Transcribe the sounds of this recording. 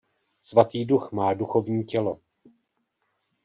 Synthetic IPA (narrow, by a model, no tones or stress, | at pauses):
svat̪iːduxmaːduxo̞vɲiːcɛlo̞